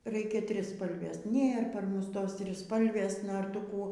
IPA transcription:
ˈrʲɛɪkʲɛ ˈtʲrʲɪspɐlʲʋʲeːs ˈnʲeːr pɐr ˈmʊs ˈtoːs tʲrʲɪˈspɐlʲʋʲeːs ˈnoːr ˈtʊ ˈkuː

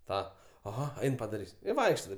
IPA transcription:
ˈtɑː ɐˈɣɐ ˈɐɪn pɐdɐˈrʲiːsʲ ɪ ˈʋɐɪkʃtɐ ˈtɐɪp

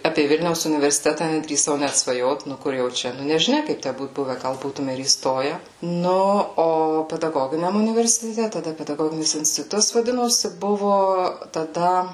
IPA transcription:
ˈɑːpʲeː ˈʋʲɪlʲnʲɛʊs ʊnʲɪʋʲɛrʲsʲɪˈtʲæːtɐ nʲɛdʲrʲiːˈsɐʊ ˈnʲæt sʋɐˈjoːt ˈnʊ ˈkʊr jɛʊ ˈt͡ʃʲɛ nʊ nʲɛʒʲɪˈnʲɛ ˈkɐɪp ˈtʲæ ˈbuːt ˈbʊʋʲɛ ˈɡɐlˠ ˈbuːtʊmʲɛ ɪr iːˈstoːjɛ ˈnʊ oː pʲɛdɐˈɡoːɡʲɪnʲɛm ʊnʲɪʋʲɛrʲsʲɪtʲɛˈtʲɛ tɐˈdɐ pʲɛdɐˈɡoːɡʲɪnʲɪs ɪnʲsʲtʲɪˈtʊtɐs ʋɐˈdʲɪnoːsʲɪ ˈbʊʋoː tɐˈdɐ

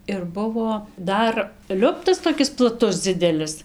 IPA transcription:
ɪr ˈbʊʋoː ˈdɐr ˈlʲʊptɐs toːˈkʲɪs plˠɐˈtʊs ˈd͡zʲɪdʲɛlʲɪs

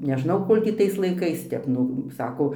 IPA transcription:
nʲɛˈʒnɐʊ ˈkoːlʲ tʲiː tɐɪs lˠɐɪˈkɐɪs ˈtʲɛp ˈnʊ ˈsɑːkoː

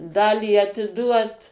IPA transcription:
ˈdɑːlʲiː ɐtʲɪˈduɔt

